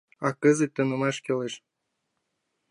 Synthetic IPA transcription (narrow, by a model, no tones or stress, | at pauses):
ɑkəzə̆t̚ʲt̪ːɤ̆nɤ̆mɑʃkeleʃ